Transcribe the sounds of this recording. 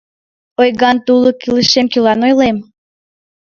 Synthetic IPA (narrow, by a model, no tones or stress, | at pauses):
ojɣɑnt̪ulˠokiləʃemkylɑnojlem